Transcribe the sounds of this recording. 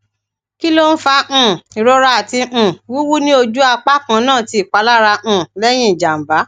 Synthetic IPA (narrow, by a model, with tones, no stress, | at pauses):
ki˦lo˦n̩˦fã˧˦˧i˨ɾɔ˨˧ɾa˦a˨tĩ˧˨wi˨˦wu˦nĩ˦o˧d͡ʒu˦a˧k͡pa˦kã˧nãː˦˨ti˧i˨k͡pa˨˦la˦ɾã˧˨lɛ˦j̃ĩ˦˨d͡ʒa˨m̩˨ba˨˦